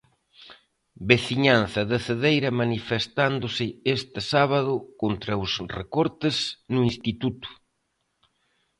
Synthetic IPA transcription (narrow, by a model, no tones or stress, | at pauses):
beθiɲan̟θɐðɪθeðejɾɐmanifest̪and̪ʊsɪest̪ɪsaβ̞aðʊkont̪ɾɐosrekɔɾt̪ɪznʊinst̪it̪ut̪ʊ̥